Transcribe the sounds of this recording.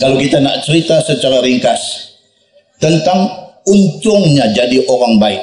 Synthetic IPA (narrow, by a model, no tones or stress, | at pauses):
kalokit̪ana̰ʔt͡ʃəɾit̪asət͡ʃaɾaɾiŋkas | t̪ənt̪aŋunt̪ʊŋɲad͡ʒadiʔoɾaŋbaɪk̚